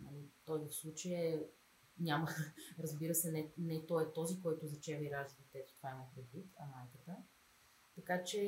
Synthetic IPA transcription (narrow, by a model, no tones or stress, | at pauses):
nɐlit̪ɔzifslˠut͡ʃəjɛ | ɲʲaməɾɐzbiɾəsɛnɛnɛt̪ɔɛt̪ɔzikɔjt̪ʊzɐt͡ʃɛvɐiɾaʒd̪d̪it̪ɛt̪o̥t̪o̥vaimɐpɾɛd̪vit̪ɐmajkət̪ə | t̪ɐkat͡ʃɛ